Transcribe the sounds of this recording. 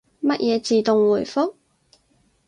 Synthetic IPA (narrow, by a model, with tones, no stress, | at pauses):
mɐ˦˥t̚jʔɛː˨˧t͡siː˨t̪ʊ˨ŋwuː˨˩jfʊ˥k̚